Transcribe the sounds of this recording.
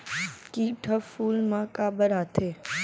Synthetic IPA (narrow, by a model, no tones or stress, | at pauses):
kiːʈʰəfuːlmãkabəɾaːt̪ʰe